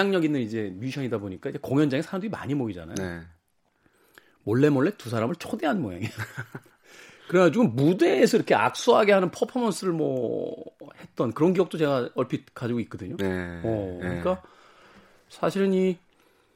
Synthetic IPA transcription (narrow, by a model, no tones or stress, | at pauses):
aŋɲʌɡinɯnid͡ʑe̞mjuɕʰʌɲidaboɲik͈aid͡ʑe̞koŋjʌnd͡ʑaŋesʰaɾamduima̰ɲimoid͡ʑa̰na̰jo | mwʌɭːe̞mʌɭːetusʰaɾamɯɭt͡ɕʰode̞ɦanmoja̰ŋi | kɯɾeɡad͡ʑiɡɯmmude̞ːsʰʌiɾʌkʰe̞a̰k̚s͈uɦaɡe̞ɦanɯnpʰʌpʰʌmʌns͈ɯɾɯɭmwʌ̰ | he̞t̚t͈ʌnkɯɾʌnkiʌk̚t͈ot͡ɕe̞ɡaʌɭpʰikad͡ʑiɡoit̚k͈ʌdɯɲoʌkɯɲik͈a | sʰaɕʰiɾɯni